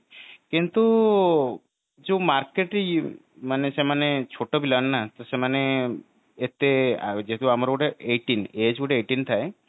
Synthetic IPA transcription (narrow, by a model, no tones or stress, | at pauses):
kint̪u | d͡ʒomaɾkeʈ | manesemanet͡ʃʰoʈobilannat̪ɔsemaneː | t̪ed͡ʒet̪uamaɾokoʈeeʈined͡ʒɡuʈeeʈint̪ʰae